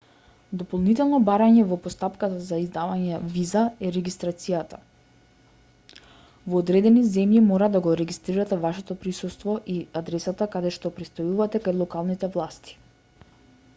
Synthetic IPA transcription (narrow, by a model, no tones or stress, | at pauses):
d̪ɔpɔlˠnit̪ɛlˠnɔbaɾaɲɛvɔpɔst̪apkat̪azaizd̪avaɲɛvizaɛɾɛɡist̪ɾat̪sijat̪a | vɔːd̪ɾɛd̪ɛnizɛmjimɔɾad̪aɡɔɾɛɡist̪ɾiɾat̪ɛvaʃɛt̪ɔpɾisust̪vɔʔiad̪ɾɛsat̪akad̪ɛʃt̪ɔpɾɛt̪st̪ɔjuvat̪ɛkajlˠɔkalˠnit̪ɛvlˠast̪i̥